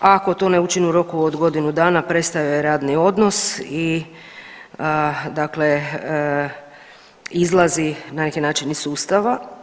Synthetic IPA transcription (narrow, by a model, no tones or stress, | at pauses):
ako̞t̪o̞neut͡ʃinuɾo̞kuod̪ɡo̞d̪inud̪aːnapɾe̞t̪st̪ajajeɾaːd̪nio̞d̪no̞si | d̪akle | izlˠazinanekinaːt͡ʃinisuːst̪aʋa